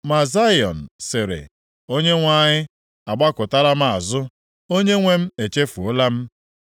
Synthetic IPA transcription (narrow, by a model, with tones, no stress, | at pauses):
ma˨za˦jɔ˨n̩˨sɪ˨ɾɪ̰˨ | o˦ɲe˦ŋʷa˦ɲɪ˦ | a˨ɡ͡ba˦kʊ˨ta˦la˦m˦˨a˨zʊ˦ | o˦ɲe˦ŋʷe˦m̩˦e˨t͡ʃe˦fu˨o˦la˦m̩˦